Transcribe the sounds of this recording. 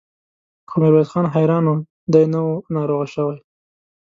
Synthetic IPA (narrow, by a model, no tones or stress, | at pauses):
kʰomɪɾbajd̪xɑnɦajɾɑno | d̪ajnəwonɑɾoɣaʃəwaj